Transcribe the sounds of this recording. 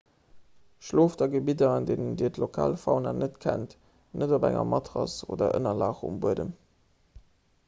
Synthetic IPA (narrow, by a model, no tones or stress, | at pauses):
ʃloːfdɑɡəbidɐɑndeːnəndiːətlokʰaːlfɑʊnanʔətkʰænt | nʔədobæ̰ŋɐ̰mʔɑtʁɑso̰ːdɐ̰ʔənɐlaːχṵmbuədəm